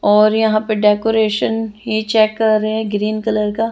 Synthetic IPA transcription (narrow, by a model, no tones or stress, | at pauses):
ɔːɾjɐɦãːpeɖɛːkoːɾeːʃənɦit͡ʃɛːkːɐɾːeeɛ̃ɡɾiːnkələɾkaː